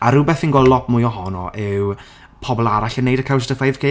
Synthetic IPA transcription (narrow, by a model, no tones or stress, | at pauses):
aɾʊbɛθinɡɔlˠɔpʰmʊɨjɔɦɔnɔ̰ʔɪw | pʰɔbɔlˠaɾaɬənːejdəkʰaws̬dəθajðkʰe